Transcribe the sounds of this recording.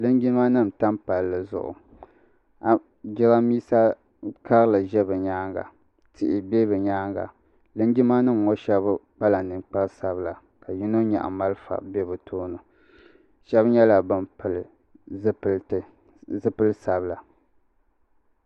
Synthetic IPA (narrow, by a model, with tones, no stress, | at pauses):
lɨ˦ŋɡi˦ma˦nɨ˦˨m̩˨ta˦mpa˨lːɨ˨zʊ̰˨ʔʊ̰˨ | a˨ | ɡɪ˦ɣa˦miː˦sa˦ | ka˦ɣɨ˦la˨ʒɛ˦bɨ˨ɲaː˦ŋɡa̰˨ | tɪ˨ʔɪ˨be˦bɨ˨ɲaː˦ŋɡa̰˨ | lɨ˦ŋɡi˦ma˦nɨ˦mo˦ʃɛ˦bk͡pa˦la˨nɨ˨ŋ͡mk͡pa˦ɾsa˨bla˨ | ka˨ji˦no˦ɲa̰˨ʔa̰˨ma˦lɨ˦fa̰˨bɛ˦bɨ˨tʰoː˦nɨ˨ | ʃɛ˦bɲɛ˦la˨bɨ˨mpɨ˨l | pltɨ˨ | zɨ˦pɨ˦lɨ˦sa˨bla˨